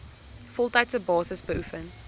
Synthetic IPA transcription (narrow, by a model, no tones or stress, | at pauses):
fɔlˠtaɪtəbɑːsəsbəufən